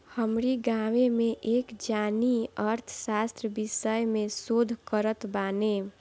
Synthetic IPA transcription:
həmɾiɡaːʋemẽʔeːkd͡ʒaːniəɾt̪ʰə̥saːst̪ɾəbiʃəjmẽsoːd̪ʱkəɾət̪baːne

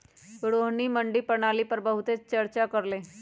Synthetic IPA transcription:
ɽoɦɳiːməɳɖiːpəɳ̃aliːpəɾbəɦut̪et͡st͡ɕəɾt͡ɕakəɾle

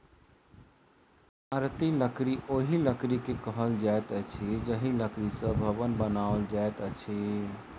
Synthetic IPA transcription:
aɾt̪iləkɾiʔoɦiləkɾikekəɦəld͡ʒaet̪ət͡ʃʰid͡ʒəɦiləkɾisə̃bʱəbənbənaold͡ʒaet̪ət͡ʃʰi

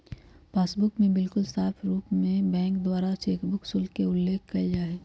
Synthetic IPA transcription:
paːsbʊkmẽbɪlkʊlsaːpʰɾuːpmẽbɛ̃ːŋkd̪waːɾaʃeːkʰbʊksʊlkeʊlːeːkʰkɐd͡ʒaːɦɛː

